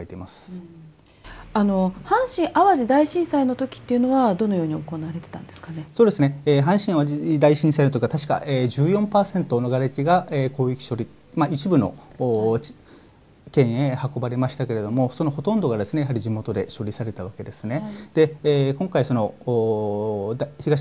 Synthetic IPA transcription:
et̪emasɨ̥ | ano̞hãɰ̃ɕĩɰ̃ʔaβaʑid̪aiɕĩɰ̃saino̞t̪o̞kʲi̥t̪ːe̞iɯ̟noβad̪o̞no̞jo̞ːɲ̟ioko̞naβaɾe̞t̪e̞̥t̪ã̰nd̪e̞sɨ̥kanesoːd̪e̞sɨne̞eːɦãɰ̃ɕĩɰaβad̪aiɕĩsainot̪okikat̪aɕi̥ka̰ʔeːʑɨːjõ̞mpaːsẽ̞nt̪o̞no̞ɡaɾekʲiɡaeko̞ːikʲi̥ɕo̞ɾʲi | mait͡ɕibɯ̟no̞̰ː | kẽ̞ɰ̃ehako̞baɾe̞maɕi̥t̪ake̞ɾe̞d̪o̞mo̞so̞noho̞t̪õ̞nd̪o̞ɡad̪e̞sɨne̞jaɦaɾʲiʑimo̞t̪o̞d̪e̞ɕo̞ɾʲisaɾe̞t̪aβ̞ake̞d̪e̞sɨne̞d̪̥eːkõ̞ŋkaiso̞no̞ː | d̪çiɡa

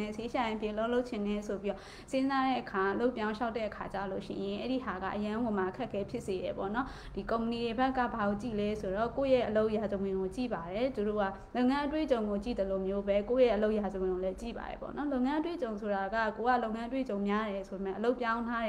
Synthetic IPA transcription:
ɛseʃaɪ̃mpʰjɪ̰̃əlõloʊʔt͡ɕʰɪ̃nɛsopiɔ | sɪ̃nzaɾɛ̰ʔəkʰaʔəloʊpjãʊ̃ʃaʊtːɛ̰ʔəkʰat͡ɕa̰lo̰ʃɪ̰̃jɪ̃ʔɛɾiɦaɡa̰ʔəjãŋɡomaʔəkʰɛʔkʰɛpʰjɪʔseɾɛpɔ̰nɔ | d̥ikõʊ̃mpənidebɛkːa̰baɣot͡ɕḭlɛsoɾɔkojɛʔəloʊʔjazəwɪ̃ŋɡot͡ɕḭbaɾɛt̪uɾo̰ɡa̰loʊʔŋãʔət̬wḛt͡ɕõʊ̃ŋɡot͡ɕḭd̪əlomjobɛkojɛʔəloʊʔjazəwɪ̃ŋolɛt͡ɕḭba̰ɾɛ̰pɔ̰nɔloʊʔŋãʔət̬wet͡ɕõʊ̃sʰoɾaɡa̰kowaloʊʔŋãʔət̬wḛt͡ɕõʊ̃mjaɾɛsʰobemɛ̃ʔəloʊpjãʊ̃ntʰaɾɛ

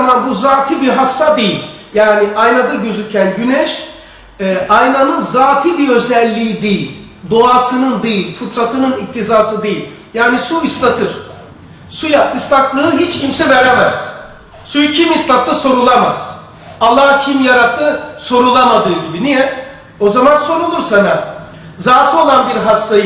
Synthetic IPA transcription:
manbuzaːt̪ʰibiɦasːad̪e̞jilʲ | jaːniʔajnad̪aɟø̞zycʰænɟynɛʃ | ɛːʔajnanɯnzaːt̪ʰibiø̞zɛlʲːiːid̪ejilʲ | d̪o̞asɯnɯnd̪ejilʲfɯt̪ʰɾat̪ʰɯnɯnic̚t̪ʰizaːsɯd̪e̞jilʲ | jaːnisuist̪at̪ʰɯɾ̥ | sujapist̪ʰaklˠɯɯɦit͡ʃcʰimsɛvæɾɛmæz̥ | sujucʰimist̪ak̪lˠɯso̞ɾulˠama̰z̥ | alˠːahcʰimjaɾat̪ʰːɯso̞ɾulˠamad̪ɯːɟ̪ibinijɛ | o̞zamanso̞ɾulˠuɾsana | zaːt̪ʰio̞lˠanbiɾɦasːaj

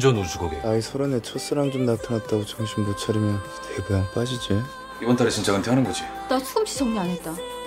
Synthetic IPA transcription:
d͡ʑʌnusʰuɡoɡeaisʰʌɾonet͡ɕʰos͈ɯɾaŋd͡ʑomnatʰɯŋat̚t͈aɡot͡ɕʌŋɕʰimbot͡ɕʰʌɾimjʌnteɡɯjaŋp͈ad͡ʑid͡ʑi | ibʌntʰaɾeɕʰint͡ɕʰaɡɯntʰeɦanɯnɡʌd͡ʑi | tat͡ɕʰuɡɯmɕʰi̥sʰʌŋɡiaɲet̚t͈a

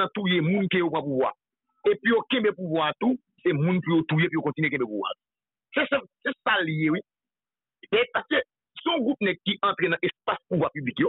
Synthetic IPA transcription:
ãt̪ujemũnkejopʁãpuvwa̰ | epijokẽbepuvwat̪u | semũnpujot̪ujepijokõtinyɥek̬ẽbepuvwa̰t̪u̥ | sesɛ̃sesaljewi | mɛpaskø | sõɡʁup̚nɛt̪̚kiʔɐ̃t̪ʁenãʔespaspuvwapyblikjo

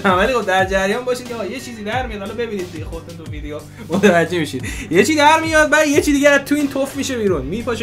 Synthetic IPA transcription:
ævælixobd̪æɾd͡ʒæɾjɒnbɒːʃid̪̚cʰeːɣɒje̞t͡ʃʰiːziːd̪æɾmijɒd̪hɒlɒbe̞biːnid̪̚d̪iɟexoɾt̪unt̪uvid̪ejo | mot̪ʰevæd͡ʒːe̞miʃid̪̥jet͡ʃʰid̪æɾmijɒd̪̚bæd̪jet͡ʃʰid̪iɡɟeːt̪ʰuiːnt̪ʰofmiːʃe̞biːɾunmipʰɒʃe

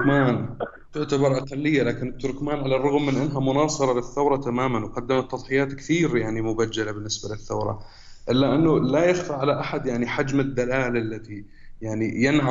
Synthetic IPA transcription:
maːn | t̪ʊʕt̪abɑɾˤʔɑqɑlːɪjːalaːkɪnɪt̪ːʊɾkmaːnʕalarˤːʊɣmːɪnʔɪnːɦamʊnɑːsˤɨɾˤɑlɪθːawɾˤɑt̪amaːmanwqɑd̪ːamat̪ːɑðˤħɪjaːt̪kθiːɾjaʕnimʊbad͡ʒːalabɪnːɪsbalɪθːawɾˤɑ̰ | ʔɪlːaʔɪnːʊlajaxfaʕalaʔaħad̪jaʕniħad͡ʒmɪd̪ːalaːlʔalːat̪i | jaʕnijɪnʕa

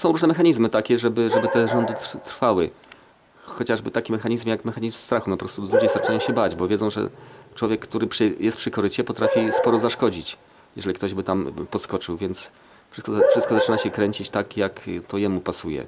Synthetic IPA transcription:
sɔ̃w̃ɾuʐnɛmɛxaɲizmɘt̪akʲɛʐɛbɘʐɛbɘt̪ɛʐɔnd̪ɘt̪t̪ɾfawɘ | xɔt͡ɕaʐbɘt̪akʲimɛxaɲizmjakmɛxaɲizmst̪ɾaxumɛpɔpɾɔst̪ulud͡ʑejst̪at͡ʃɘnajɔ̃w̃ɕɛbad͡ʑbɔvʲjɛd̪zɔ̃w̃ʐɛ̰t͡ʂwɔvʲjɛkːt̪uɾɘpʂɘjʔɛst̪pʂɘkɔɾɘt͡ɕɛpɔt̪ɾafʲispɔɾɔzaʂkɔd͡ʑit͡ɕ | jɛ̰ʐɛlʲikt̪ɔʑbɘt̪ampɔt̪skɔt͡ʂɘwvʲjɛnt̪s | fʂɘskɔfʂɘst̪kɔzat͡ʂɘnaɕɛkɾɛɲt͡ɕit͡ɕt̪akjakt̪ʰɔjɛmupasujɛ̰

